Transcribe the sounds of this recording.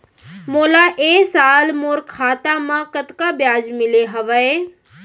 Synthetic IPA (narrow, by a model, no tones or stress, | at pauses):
moːlaʔeːsaːlmoːɾkʰaːt̪amãkət̪kabjaːd͡ʒmɪleɦɐʋəe